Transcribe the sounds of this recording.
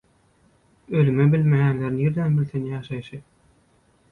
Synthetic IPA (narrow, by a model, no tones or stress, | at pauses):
ølymebilʲmejænleɾnjiɾd̪ænbilʲθenjɑːʃɑjʃɯ